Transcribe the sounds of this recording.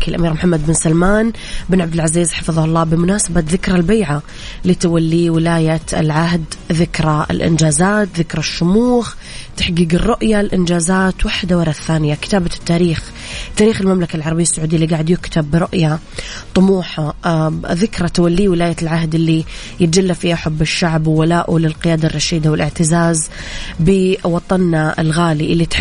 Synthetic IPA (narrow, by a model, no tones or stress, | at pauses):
kalʔa̰miːɾmʊħamːad̪̚bɪnsalmaːn | bɪnʕabd̪ɪlʕaziːzħɑfɨðˤɑhʊlˤːɑːbɪmʊnaːsabat̪ðɪkɾˤalbajʕa | liːt̪awalːiwɪlaːjaɪ̰lʕahd̪ðɪkɾˤɑɪ̰lʔɪ̰nd͡ʒaːzaːt̪ðɪkɾˤɑʃːʊmuːx | t̪aħɡiːɡɪrˤːʊʔjalʔɪnd͡ʒaːzaːt̪waħd̪awɑɾˤɑθːaːnɪjakɪ̥t̪aːbat̪ːaːɾiːx | t̪ːaːɾiːxɪlmamlakalʕɑɾˤbɪjːasːʊʕud̪ɪjalːiɡaːʕɪd̪jʊkt̪ʰabːɾʊʔja | t̪ˤʊmuːħa | ðɪkɾˤɑt̪awalːiːwɪlaːjalʕaɦd̪ɪlːi | jɪt̪̚d͡ʒalːafiːhaħʊbːɪʃːaʕbwwalaːʔʊlɪlqɪjaːd̪arˤːɑʃiːd̪awɪlʔɪʕt̪ɪzaːzbɪwɑt̪ˤɑnːaɪ̰lɣaːliʔɪlːit̪